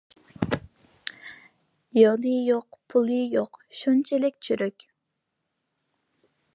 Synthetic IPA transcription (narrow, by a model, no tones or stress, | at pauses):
jɑlijoqpʰulˠijoqʃunt͡ʃʰɛlɪk̚ʲt͡ʃʰyɾøkʲ